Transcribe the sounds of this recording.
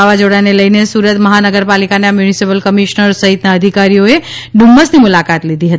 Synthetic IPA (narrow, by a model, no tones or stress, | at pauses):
aʋad͡ʒoɽaneləinesuɾət̪məɦanəɡəɾpalikaneamjunisipəlkəmiʃnəɾsəɦit̪naəd̪ʱikaɾijoeɖʱumːəsnimulakat̪lid̪ʱiɦət̪